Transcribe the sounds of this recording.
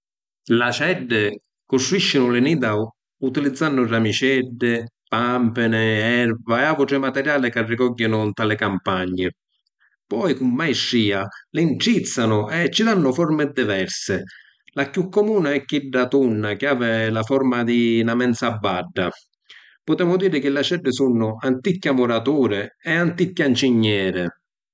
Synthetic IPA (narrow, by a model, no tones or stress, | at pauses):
lasɛɖːɪ | kʊst̪ɾuiʃːɪnʊlɪniːd̪a | ut̪ilid̪zːanːʊramit͡ʃɛɖːɪ | pampɪnɪɛɾvaɛavʊʈɾɪmat̪ɛɾjaːlɪkarːɪkɔɟːɪnʊnt̪alɪkampaɲːɪ | pɔːikumːajʂːiːalɪɳʈɾit̪sːanʊɛt͡ʃːɪd̪anːʊfɔɾmɪd̪ivɛɾsɪ | lakjukːɔmuːnaɛkːiɖːat̪unːakɪaːvɪlafɔɾmad̪inamɛnt̪sabːaɖːa | pʊt̪ɾɛːmʊd̪iːɾɪk̟ɪlːat͡ʃɛɖːɪsunːʊant̪ikːamʊɾat̪uːɾɪɛant̪ikːjant͡ʃiɲːɛːɾɪ